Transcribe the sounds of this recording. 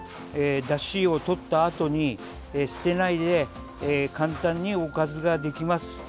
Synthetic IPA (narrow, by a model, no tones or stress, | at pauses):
eːd̪aɕio̞t̪o̞t̪ːaːt̪o̞ɲ̟i | sɨ̥t̪e̞naid̪e̞ | kãnt̪ãɲ̟ːio̞kazɨɡad̪e̞kʲimasɨ̥